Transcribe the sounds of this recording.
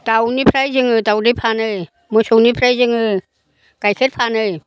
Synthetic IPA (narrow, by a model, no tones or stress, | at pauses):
tawnipʰɾajzɯŋɯtawdipʰanɯj | mɯsuwnipʰɾajzɯŋɯ | kajkʰet̚pʰanɯj